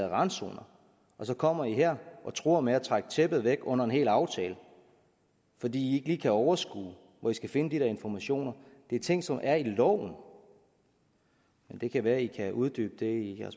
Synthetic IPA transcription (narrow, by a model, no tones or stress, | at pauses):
ʁɑ̈nso̝̰ːnɐ | ɒ̽sɒ̽kʰɒ̽m̰ɐiɦeɐ̰ʔɒ̽t͡sʰʁo̝̰ɐmeæt͡sʰʁaɡ̥t͡sʰeb̥ð̞̩ˠʋeɡ̥ɔ̽n̰ɐe̝nɦe̝̰ːlɑ̈ʊt͡sʰɛːlə | fɒ̽d̥ḭːie̝ɡ̥liːkʰæɒʊɐsɡ̥ṵː | ʋɒisɡ̥æfe̝nəd̥iɾeɐe̝nfɒmæɕo̝̰ːnɐd̥e̝æt͡sʰe̝ŋ̰sɒ̽mʔæɐilɒ̰ʊ̰n̩ | mend̥e̝kʰæʋæːɐikʰæʔuðˠd̥y̰ːb̥əd̥e̝ijæɐs